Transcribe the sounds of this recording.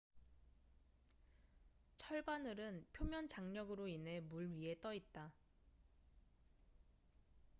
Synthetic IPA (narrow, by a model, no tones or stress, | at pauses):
t͡ɕʰʌɭbanɯɾɯnpʰjomjʌnd͡ʑaŋɲʌɡɯɾoinɦe̞muɭɥie̞t͈ʌit̚t͈a